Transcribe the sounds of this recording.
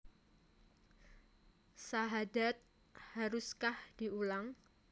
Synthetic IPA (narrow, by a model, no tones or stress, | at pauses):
saɦadat̪̚ | haɾʊskahd̥iulaŋ